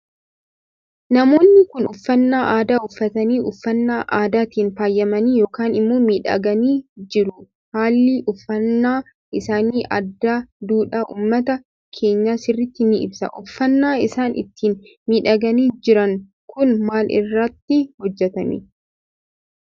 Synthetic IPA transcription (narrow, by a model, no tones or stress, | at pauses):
nɐmo̞ːnːɪkʊnʊfːɐnːaːʔaːd̪aːʊfːɐt̪ɐniːʊfːɐnːaːʔaːd̪aːt̪iːnfaːjːɐmɐniːjo̞ːkaːnɪmːoːmiːᶑɐ̰ɡɐniːd͡ʒɪɾʊ | haːlːiʔʊfːɐnːaː | ʔɪsaːniːʔɐ̰d̪ːaːd̪uːᶑaʔṵːmːɐt̪ɐ | kʰe̞ːɲːasɪrːɪt̪ːɪnɪɪ̰bsɐ̰ʔʊfːɐnːaːɪsaːnʔɪ̰t̪ːiːn | miːᶑɐɡɐniːd͡ʒɪɾɐŋ | kʊnmaːlʔɪ̰rːɐt̪ːɪhɔd͡ʒːɛt̪ɐnḭː